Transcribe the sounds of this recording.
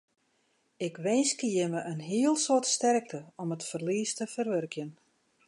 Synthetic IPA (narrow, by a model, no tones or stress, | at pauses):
ɪkʋɛjnskijəməʔənɦiəlˠsotstɛrk̚tʰəɔmətfərliːstəfərʋørkjən